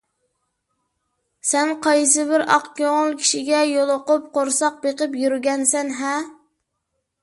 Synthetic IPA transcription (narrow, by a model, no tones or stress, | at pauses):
sɛnqʰɑjs̬ɨbɪɾɑ̰qkʲoŋʊlˠkʲʰi̥ʃiɡʲɛjolˠʊqʊp̚qoɾsɑq̚beqɪpjyɾɡʲɛnsɛnɦɛ